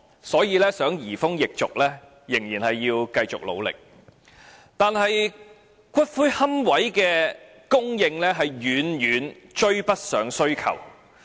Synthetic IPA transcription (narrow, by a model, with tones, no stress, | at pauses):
sɔː˨˥jiː˨˧lɛː˥sœː˨˥ŋjiː˨˩fʊ˥ŋjɪ˨k̚t͡sʊ˨k̚lɛː˥ | jɪ˨˩ŋjiː˨˩nhɐ˨jːiː˧wkɐ˧jt͡sʊ˨k̚lo̰˨˧wlɪ̰˨k̚ | t̪aː˨nɦɐ˨j | kʰʷɐ˥t̚fuː˥jhɐ˥mwɐ˨˥jkɛː˧ | kʊ˥ŋjɪ˧ŋlɛː˥ɦɐ˨jjyː˨˥njyː˨˧˥n | t͡ʃɵ˥ɥpɐ˥t̚sœː˨˥ŋsɵ˥ɥkʰɐ̰˨˩w